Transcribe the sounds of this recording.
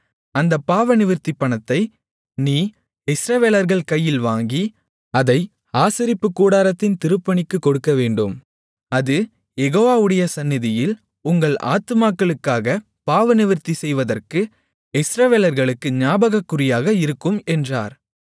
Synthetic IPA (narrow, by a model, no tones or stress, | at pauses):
ɐnd̪ɐpːaːʋɐnɪʋɪɾt̪ipːɐɳɐt̪ːɐɪ | niː | ɪsɾɐʋeːlɐɾɣɐɭkɐjːɪlʋaːŋɡi | ɐðɐɪ | aːsɪɾɪpːɯkːuːɽaːɾɐt̪ːɪnt̪ɪɾɯpːɐɳɪkːɯkːɔɽɯkːɐʋeːɳɖɯm | ɐðɯ | jɛɣoːʋaːɯɽɐjɐsɐnːɪðɪjɪl | ʊŋɡɐɭa̰ːt̪ɯmaːkːɐɭɯkːaːɣɐ | paːʋɐnɪʋɪɾt̪isɛjʋɐðɐrkɯ | ɪsɾɐʋeːlɐɾɣɐɭɯkːɯɲaːbɐɣɐkːʊrɪjaːɣɐɪɾɯkːɯmɛndraːɾ